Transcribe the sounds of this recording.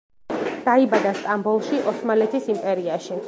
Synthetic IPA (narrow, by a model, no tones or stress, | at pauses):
d̪̥aibad̪ast̪ʼambulˠʃiʔɔsmalɛt̪ʰisimpʼɛɾiaʃi